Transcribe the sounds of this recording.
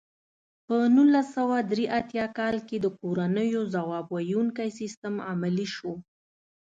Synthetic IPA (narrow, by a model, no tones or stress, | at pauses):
pənulasawad̪ɾeʔat̪jɑkɑlked̪əkoɾanəjozawɑbwajuŋkajsist̪əmamaliʃo